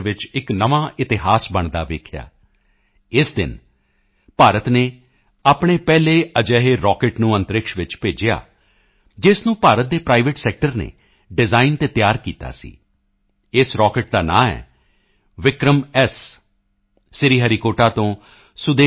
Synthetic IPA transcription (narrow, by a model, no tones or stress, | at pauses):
ʋɪt͡ʃɪknəʋãːʔɪt̪ɪɦaːsbəɳd̪aːʋeːkʰja̰ː | ɪsd̪ɪ̰n | paːɾət̪neː | aːpɳeːpɛːleːəd͡ʒɛːɦeːɾɔːkɪʈnũːə̃nt̪əɾɪkʃʋɪt͡ʃpeːd͡ʒɪja̰ː | d͡ʒɪsnũːpaːɾət̪̚d̪eːpɾaːiʋɪʈsɛːk̚ʈəɾnḛː | ɖɪzaːint̪eːt̪jaːɾkiːt̪a̰ːsḭː | ɪsɾɔːkɪʈ̚d̪aːnã̰ːɛ̰ː | ʋɪkɾəmɛs | ɪɾiːɦəɾikoːʈaːt̪õː | sʊd̪eː